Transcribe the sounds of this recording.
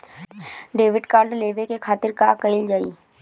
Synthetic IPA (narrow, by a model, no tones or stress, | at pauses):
ɖeːʋɪɖkaːɾɖleːʋekekʰaːt̪ɪɾkakəɪld͡ʒaːḭː